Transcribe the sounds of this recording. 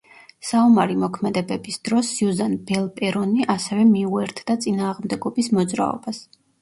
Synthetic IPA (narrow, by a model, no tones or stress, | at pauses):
saumaɾimɔkʰmɛd̪ɛbɛbisd̪̥ɾɔsjuzanbɛlˠpʼɛɾɔniʔasɛvɛmiuɛɾt̪ʰd̪at̪sʼinaːʁmd̪ɛɡɔbismɔd̪zɾa̰ɔ̰bas